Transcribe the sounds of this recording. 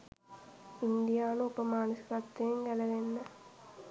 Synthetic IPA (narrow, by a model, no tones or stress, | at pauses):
ind̪ijaːnũpːɐmaːnɐsɾɐt̪ːeːŋɡɐlɐʋenːɐ